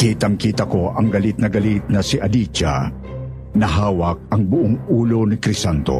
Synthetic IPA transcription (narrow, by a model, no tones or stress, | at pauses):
kiːt̪ɐŋkiːt̪ɐko̞ʔɐŋɡɐlit̪̚nɐɡɐlit̪̚nɐsiʔɐdit͡ʃa̰ | nɐɦaːwɐk̚ɐŋbʊʔoŋuːlo̞nɪkɾɪsant̪o̰